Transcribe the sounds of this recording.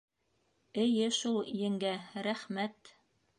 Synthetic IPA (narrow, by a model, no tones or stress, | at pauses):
ɘ̆jɘʃulˠjɘ̆ŋɡæɾæχmæt̪